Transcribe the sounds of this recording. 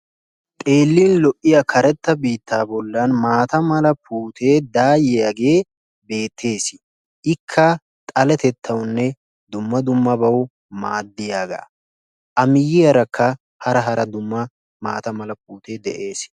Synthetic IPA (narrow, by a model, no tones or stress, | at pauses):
t̪ʼe̞ːlːiːnlɔʔːɪjɐkʰɐɾɛt̪ːɐbiːt̪ʰːaːbɔlːɐnmaːt̪ɐmɐlɐpʰuːt̪ʰe̞ːd̪aːjɛjaɡe̞ː | be̞ːt̪ʰːe̞ːs | ʔɪkʰːɐ | t̪ʼɐlɛt̪ɛt̪ʰːɐwnːɛ | d̪ʊmːɐd̪ʊmːɐbɐw | maːd̪ːɪjaːɡa̰ː | ʔɐmɪjːɪjɐɾɐkʰːɐ | hɐɾɐɦɐɾɐd̪ʊmːɐ | maːt̪ɐmɐlɐpuːt̪e̞ːd̪ɛʔe̞ːs